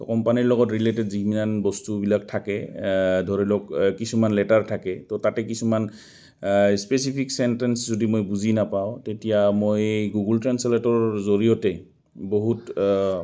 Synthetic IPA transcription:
tɔkɔmpaniɹlɔɡɔtɹiletɛdziminanbɔstubilak̚tʰakɛdʱɔɹilɔkkisumanlɛtaɹtʰakɛtɔtatɛkisuman | spesipʰiksɛntɛnszodimojbuzinapaʊ̃tetijamojɡuɡultɹɛnsɛletɔɹzoɹijɔtɛ | boɦut

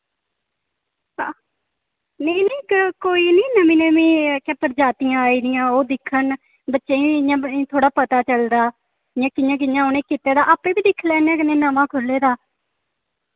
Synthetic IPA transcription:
aː | neːneːkkoːiːnĩːnəmĩːnəmĩːkɛːpəɾd͡ʒaːt̪ijãːaːiːd̪ɪjãːoːd̪ɪkʰːən | bətːʃeːĩãːt̪ʰoːɽaːpət̪aːt͡ʃəld̪aː | jãːkɪjãːk̬ɪjãːoːnẽːkit̪eːd̪aːʔaːpeːbiːd̪ɪkʰːlɛːnɛːkənẽːnaʋãːkʰʊlːeːd̪aː

